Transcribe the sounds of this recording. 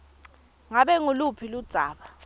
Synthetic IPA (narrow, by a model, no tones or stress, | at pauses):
ŋaɓɛŋulupʰilud̥z̥ʱaːɓa